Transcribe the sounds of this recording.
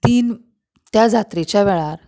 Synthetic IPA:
t̪iːn | t̪jad͡zʱat̪ɾit͡ɕjaʋɛɭaɾ

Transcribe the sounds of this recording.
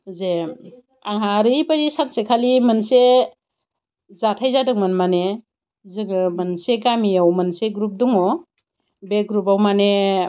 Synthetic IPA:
zem | aŋhaɾɯjpaɾisansekʰalimɯnse | zatʰajzadɯŋmɯnmane | zɯŋmɯnseɡamiawmɯnseɡɾup̚duŋɔ | beɡɾupawmane

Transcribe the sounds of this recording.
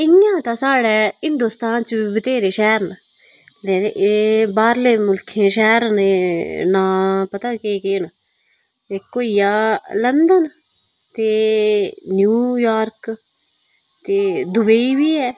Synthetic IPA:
ɪãːt̪ãsaːɽɛːɦɪnd̪uːst̪aːnt͡ʃbiːbɪt̪eːɾeːʃɛːɾna | lɛ̃ːeʔeːbaːɾleːmʊlkʰeːʃɛːɾneːnãːpət̪aːkeːkeːna | eːkoːijaːlənd̪ən | t̪eː | njuːjaːɾk | t̪eːd̪ʊbeiːʋiːɛː

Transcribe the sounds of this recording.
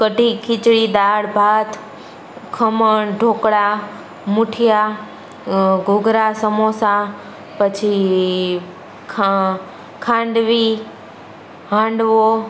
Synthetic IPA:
kəʈikʰit͡ʃɽid̪aːɽbʱat̪ | kʰəməɳɖʱoːkɽa | mʊʈʰija | ɡoɡɾasəmosa | pət͡ʃʰi | kʰa | kʰãɳɖʋi | ɦãɳɖʋo

